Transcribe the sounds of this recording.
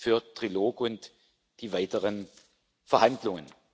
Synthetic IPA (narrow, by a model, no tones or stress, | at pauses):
fyːɐtʁ̥iloːkʊnt | d̥iːvaɪtəʁən | fɛɐhandlʊŋə̰n